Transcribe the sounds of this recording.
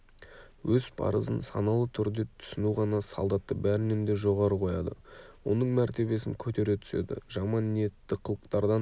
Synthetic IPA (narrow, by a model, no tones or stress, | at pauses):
wɵz̥pʰɑ̰ɾəzənsɑ̰nɑlˠət̪ʰʏɾd̪e̞t̪ʰʏ̥sɪnuʁɑnɑsɑ̰lˠd̪ɑt̪ːəbæɾɪnemd̪e̞ʒo̞ʁɑɾəqʰo̞jɑd̪ə̰wo̞̰nəɴmæɾt̪e̞βe̞sɪŋkʲʰɵt̪e̞ɾe̞t̪ʰʏ̥sḛd̪ɪ̰ʒɑmɑnːije̞t̪ːɪqʰəlˠəqt̪ɑɾd̪ɑ